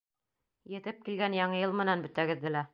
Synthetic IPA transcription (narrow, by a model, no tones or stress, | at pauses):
jɘ̆t̪ɘp̚kilɡænjɑɴɤjɤlˠmɘ̆nænbɵ̆t̪æɡɘ̆ðːɘlæ